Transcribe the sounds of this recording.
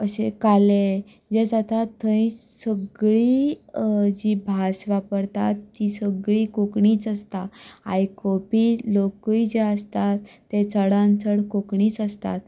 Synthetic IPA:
əɕḛkale | d͡ʑed͡zat̪at̪ʰːə̃ĩsəɡɭi | d͡ʑibʱasʋapəɾt̪a̰t̪ːisəɡɭiːkokɳiːt͡səst̪aajkopilokəid͡ʑeəst̪at̪ːet͡səɽãnt͡səɽkokɳiːt͡səst̪a̰t̪

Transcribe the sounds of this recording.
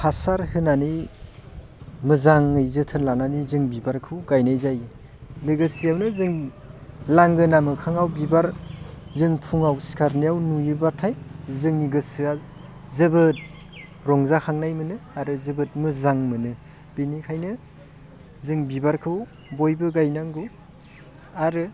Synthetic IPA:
pʰasaɾhɯnani | mɯzaŋːɯjzɯtʰɯnlananizɯŋbibaɾkʰɯwɡajnajzaj | lɯɡɯsijawnɯzɯŋ | laŋɡɯnamɯkʰaŋawbibaɾzɯŋpʰuŋawsi̥kʰaɾnijawnujɯbatʰajzɯŋniɡɯsɯa | zɯbɯt̚ | ɾɔŋzakʰaŋnajmɯnɯaɾɯzɯbɯt̚mɯzaŋmɯnɯ | b̥enikʰajnɯ | zɯŋbibaɾkʰɯw | bojbɯɡajnaŋɡɯw | aɾɯ

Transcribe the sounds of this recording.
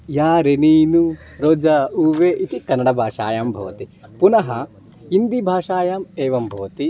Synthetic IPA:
jaːɾeniːnu | ɾoːd͡ʒɐuːʋeːʔit̪ikɐnːɐɽɐbʱaːʂa̰ːjaːmbʱɐ̰ʋɐt̪ipunɐɦɐ | ind̪ibʱaːʂaːjaːmeːʋɐmbʱɐʋɐt̪i

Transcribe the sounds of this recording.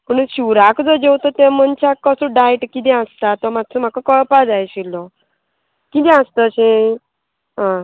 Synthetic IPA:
məɳɕiwɾakd͡zɔd͡ʑewt̪ɔt̪emənt͡ɕakːəsuɖajʈkit̪ɛ̃ãst̪at̪ɔmat̪ːt͡sʰəm̤akəkəɭpad͡zajɕilːɔ | kit̪̬ɛ̃ãst̪əɕẽ | ɦã

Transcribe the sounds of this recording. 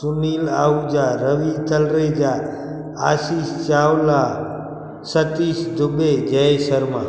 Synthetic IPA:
sunila̰ːud͡ʒaɾəʋit̪əlɾed͡ʒa | a̰ʃist͡ʃawla | sət̪isd̪ʊbed͡ʒəsəɾmã̰

